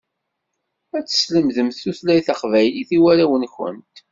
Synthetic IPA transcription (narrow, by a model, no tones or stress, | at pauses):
æt͡sːə̥sləmðəmθːuθlæjθaqvæjliθiwæɾæwənçə̰nt̪